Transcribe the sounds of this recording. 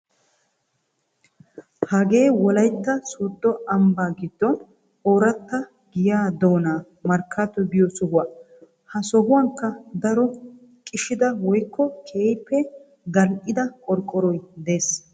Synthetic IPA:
hɐɡe̞ːwɔlɐjt̪ːɐsuːd̪ːɔɐmbaːɡɪd̪ːɔn | oːɾɐt̪ːɐ | ɡ̥ɪjaːd̪oːnaː | mɐɾkʰːat̪ɔɡɪjɔsɔhʊwaː | hɐsɔhʊwɐŋkːɐd̪ɐɾɔ | kʼɪʃɪd̪ɐwɔjkːɔkʰeːjpːɛ | ɡ̪ɐlʔɪd̪ɐkʼɔɾkʼːɔɾɔjd̪e̞ːs

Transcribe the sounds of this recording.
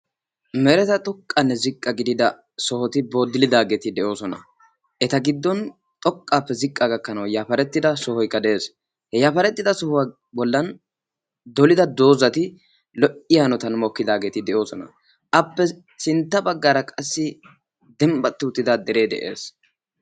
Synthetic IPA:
mɛɾɛt̪ɐt̪ʼɔkʼːɐnːɛzɪkʼːɐɡɪd̪ɪd̪ɐ | sɔhɔt̪ɪboːd̪ɪlɪd̪aːɡeːt̪ɪd̪ɛʔo̞ːsɔnɐ̰ | ʔɛt̪ɐɡɪd̪ːɔn | t̪ʼɔkʼːaːpːɛzɪkʼːaɡɐkːɐnɐwjaːfɐɾɛt̪ːɪd̪ɐsɔhɔjkːɐd̪ɛeːs | hɛjaːfɐɾɛt̪ːɪd̪ɐsɔhʊwa | bɔlːɐn | d̪ɔlɪd̪ɐd̪o̞ːzɐt̪ɪ | lɔʔɪjaːnɔt̪ɐnmɔkːɪd̪aːɡeːt̪ɪd̪ɛʔo̞ːsɔnɐ̰ | ʔɐpːɛ | sɪnt̪ːɐbɐɡːaːɾɐkʼɐsːɪ | d̪ɛmbɐt̪ːɪʊt̪ːɪd̪ad̪ɛɾe̞ːd̪ɛ̰ʔḛːs

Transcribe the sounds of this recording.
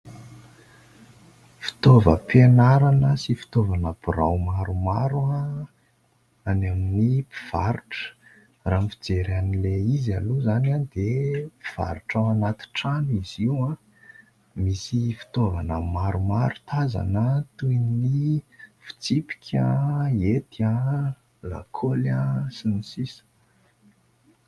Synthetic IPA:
fi̥t̪ovə̰pʰenaɾanəsifi̥t̪ovanəb̥uɾa̰wmaɾumaɾua | anaminipi̥v̥aɾuʈ͡ʂə̥ | raːmfid͡zeɾanileizaluzanand̪epi̥v̥a̰ɾuʈ͡ʂaanat̪i̥ʈ͡ʂaniz̥iwã | misifi̥t̪ovanəmaɾumaɾut̪aza̰nət̪ujnnifi̥t͡sipi̥kʲʰaet̪ia | la̰kʰolasinisisə̥

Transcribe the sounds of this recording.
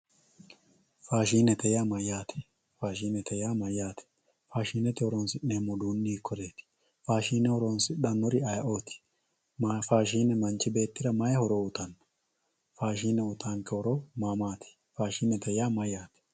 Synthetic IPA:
faːʃiːnɛt̪ʰɛjaːmɐjaːt̪ʰɛ̥ | faːʃ̬iːnɛt̪ʰɛjaːmɐjːaːt̪ʰɛ̥ | faːʃiːnɛt̪ɪhɔɾɔnsɪʔeːmːɔd̪uːnːiːkʰːɔɾeːt̪ɪ̥ | faːʃiːnɛhɔɾonsɪɗɐnːɔɾɪɐjɐʔo̞ːt̪ɪ̥ | faːʃiːnɛmɐnt͡ʃːɪbe̞ːt̪ːɪɾɐmɐjɐhɔɾoʊt̪ɐnːɐ̥ | faːʃiːnɛʊt̪ʼaːŋkɛhɔɾomaːmaːt̪ʰɪ̥ | faːʃiːnɛt̪ʰɛjaːmɐjaːt̪ɛ̥

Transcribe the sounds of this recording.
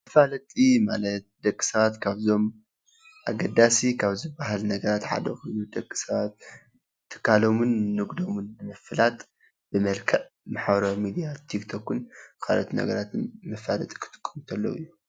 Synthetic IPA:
mɐfalɐt̪ʼimalɐt̪̚d̪ɐkʼːi̥sɐβat̪kʰaβzo̞m | ʔa̰ɡɐd̪asikʰaβzɨbaɦalnɐɡɐɾat̪ħa̰d̪ɐ̰xojnud̪ɐkʼːi̥sɐβat̪̚ʰː | ɨ̥kʰːalo̞munːɨɡd̪o̞munbɨmɐfɨlat̪ʼ | b̥ɨmɐlkʰɐʔ | maħbɾomid̪ijat̪ʰikt̪ʰokːunkʰalot̪nɐ̰ɡɐɾat̪ʰɨnmɐfalɐt̪ʼi̥kʰɨ̥t̪ʰʼɨ̥kʼːɨmt̪ʰɐlːɐ̰wɨ̰jːu

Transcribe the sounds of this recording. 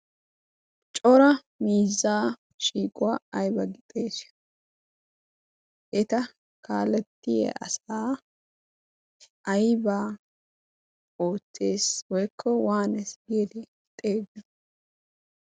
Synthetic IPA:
t͡ʃʼɔɾɐ | miːzːaː | ʃiːkʼʊwaːɐjbɐɡɪt̪ʼeːs | ʔɛt̪ɐ | kaːlɛt̪ːɪjɛ̰ʔɐ̰saː | ɐjbaː | oːt͡sːe̞ːswɔjkʰːɔwaːnɛsɡeːd̪ɛ | t̪ʼeːdɐ

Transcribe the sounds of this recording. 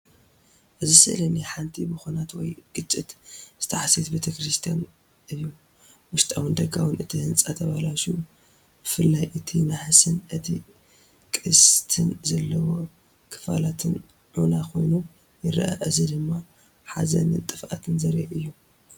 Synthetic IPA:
ʔɨzisɐ̰lɐniħant̪ʰibɨxonat̪wɔjɡ̥ɨt͡ʃʼːit̪z̥ɨt̪ʰɐħasit̪bet̪ʰɐkɾist̪ʰijan | ʔɨjːu | wʊʃt̪ʼawɨnd̪ɐɡawɨnɨt̪ʰihɨnt͡sʼat̪ʰɐβalaʃu | b̥ɨfɨlːajʔɨt̪ʰimaħsɨnʔɨt̪ʰi | kʼɨst̪ʰɨnzɐlːɐwo̞ | kʰɨ̥fa̰lat̪ʰɨn | ʕunakʰo̞jnu | jɨɾɐ̰ʔa̰ʔɨzid̪ɨmːa | ħa̰zɐ̰nɨt̪ʼɨfʔat̪ʰɨnzɐɾiʔɨjːu

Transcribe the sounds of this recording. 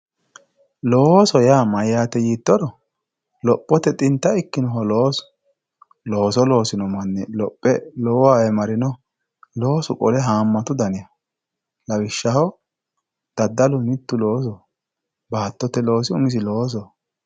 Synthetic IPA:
loːsɔjaːmɐjːaːt̪ɛjiːt̪ːɔɾɔ | lɔpʼːɔt̪ɛt̪ʼɪnt̪ːɐɪkːɪnɔɦɔloːsʊ̥ | lo̞ːsɔlo̞ːsɪnɔmɐnːɛlɔpʼːɛlɔwwaːɛmɐɾɪnɔ | lo̞ːsʊkʼɔ̰lɛɦaːmːɐt̪ʊd̪ɐnɪjɐ | lɐwɪʃːɐhɔ | d̪̥ɐd̪ːɐlʊmɪt̪ːʊlo̞ːs̬ɔ | baːt̪ːɔt̪ːɛlo̞ːsɪʊmɪs̬ɪlo̞ːs̬ɔ

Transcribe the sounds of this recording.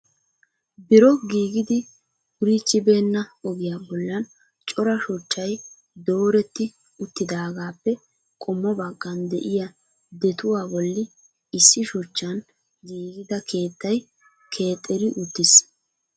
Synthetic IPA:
bɪɾɔɡiːɡɪd̪ɪ | ʊɾiːt͡ʃːɪbe̞ːnːɐɔɡɪjaːbɔlːɐn | t͡ʃʼɔɾɐʃʊt͡ʃːɐj | d̪o̞ːɾɛt̪ːɪ | ʊt̪ːɪd̪aːɡaːpːɛ | kʼɔmːɔbɐɡːɐnd̪ɛʔɪjɐ | d̪ɛt̪ʊwaːbɔlːɪ | ɪsːɪʃʊt͡ʃːɐn | ɡiːɡɪd̪ɐkʰe̞ːt̪ːɐj | kʰe̞ːt̪ʼːɛɾɪʔʊt̪ːɪs

